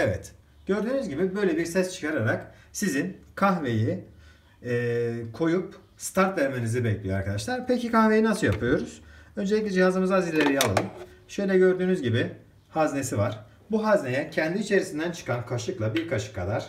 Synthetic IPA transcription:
evɛ̰t̪ | ɟ̥ø̞ɾd̪yːnyzɟibibø̞jlʲebiɾsɛst͡ʃʰɯ̥kʰaɾaɾaksizinkʰaxve̞jiː | kʰo̞jup̚ | st̪ʰaɾt̪væɾmenizibɛclʲijøa̰ɾkʰad̪aʃlˠaɾpʰecikʰaxve̞jinasɯjapʰɯjo̞ɾuz̥ø̞nd͡ʒeic̬lʲɛd͡ʒihazɯmɯzazilʲeɾijalˠɯ̰ʃø̞jlʲɛɟø̞ɾd̪yːnyzɟibɪ | hazne̞sivaɾ̥ | buɦazne̞jɛcʰɛnd̪iːt͡ʃʰe̞ɾisind̪ænt͡ʃʰɯ̥kʰankʰaʃɯklˠabiɾkʰaʃʰɯ̥kʰad̪aɾ̥

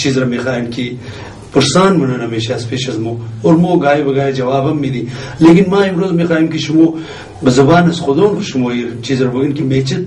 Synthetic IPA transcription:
t͡ʃizɾɐmexaːjinki | pɐɾsaːnmɐnɐnɐmeːʃaːspeːʃɐzmoːoːɾmoːɡaːibɐɡaːjed͡ʒɐʋaːbɐmːid̪i | leːkinmãːimɾoːzmexaːjimkiʃumoː | bɐzɐbaːnɐsxod̪oːnkuʃumoːit͡ʃizɾɐbɐɡɐnkimeːt͡ʃɐt̪̚

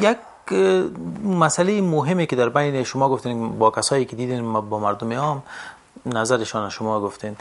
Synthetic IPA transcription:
jak̚ | masalejɪmʊɦɪmekɪd̪aɾbajnɪʃʊmɔɡʊft̪enbɒkasɒːjekɪd̪id̪enmabɔmaɾd̪ʊmɪɔm | nazaɾɪʃɔnaʃʊmɔɡʊft̪en

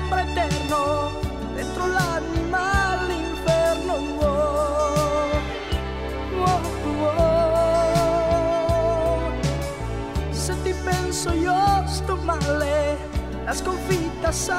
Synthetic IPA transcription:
pɾaɛt̪ɛɾno | d̪ɛnt̪ɾolanimalimbɛɾno | o | ŋwo | t̪uo | set̪ipɛnsojost̪omale | laskoɱfit̪asa

